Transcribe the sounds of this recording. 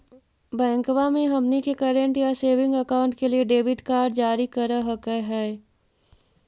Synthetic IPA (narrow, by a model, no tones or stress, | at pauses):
bɛ̃ːŋkwamẽɦɐmnikekəɾə̃ɳʈjaseːʋɪ̃ŋɡəkaːʊ̃ɳʈkelieɖeːbɪʈkaːɾɖd͡ʒaːɾikɐɾaɦəkeɦɛː